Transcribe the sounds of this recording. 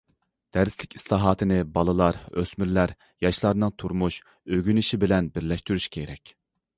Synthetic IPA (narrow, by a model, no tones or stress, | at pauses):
d̪̥æɾslɪkʲi̥slˠɑːɦɑːt̪ʰɨnɪbɑlˠɨlˠɑɾø̰smyɾlæɾ | jɑʃlˠɑɾnɨŋt̪ʰuɾmuʃ | øɡʲynɪʃibɪlɛnbɪɾlɛʃt̪yɾyʃkʲʰeɾɛkʲ